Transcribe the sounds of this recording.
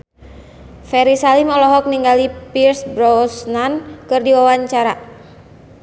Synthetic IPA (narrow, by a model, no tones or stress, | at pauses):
fɛɾisalimɔlɔɦɔk̚niŋɡalipirsbɾɔsnankɨrdiwawaɲt͡ʃaɾa